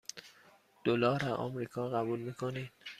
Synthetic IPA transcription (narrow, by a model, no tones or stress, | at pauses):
d̪̥olɒːɾæʔɒ̰mɾiːkʰɒːɣæbuːlmiːkʰonid̪̥